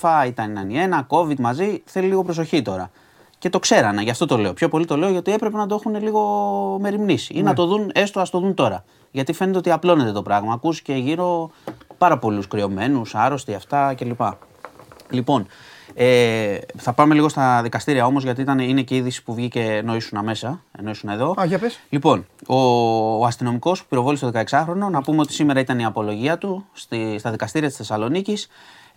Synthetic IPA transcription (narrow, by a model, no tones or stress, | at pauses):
fɐit̪ɐninɐnie̞nɐko̞vid̪mɐziθe̞liliɣo̞pɾo̞s̬o̞çit̪o̞ɾɐ | ce̞t̪o̞kse̞ɾɐnɐʝɐft̪o̞t̪o̞le̞o̞pço̞po̞lit̪o̞le̞o̞ʝɐot̪ie̞pɾe̞pe̞nɐd̪oexune̞liɣo̞me̞ɾimnisiinɐt̪o̞ðune̞st̪oɐst̪o̞ðunt̪o̞ɾɐ | ʝɐt̪ife̞net̪eoiɐplo̞ne̞t̪e̞t̪o̞pɾɐɣmɐːkusi̥ce̞ʝiɾo̞pɐɾɐpo̞luskɾio̞me̞nusɐɾo̞st̪iɐft̪ɐce̞lipɐ | lipo̞neθɐpɐme̞liɣo̞st̪ɐðikɐst̪iɾiɐo̞mo̞zʝɐt̪iit̪ɐnine̞ce̞iðisi̥puvʝice̞no̞isunɐme̞sɐeno̞isune̞ðo̞ɐpeslipo̞noɐst̪ino̞miko̞spu̥piɾo̞vo̞list̪o̞ðekɐeksɐxɾo̞no̞nɐpumeo̞t̪i̥sime̞ɾɐit̪ɐniɐpo̞lo̞ʝiɐt̪ust̪ist̪ɐðikɐst̪iɾiɐt̪i̥sθesɐlo̞nicis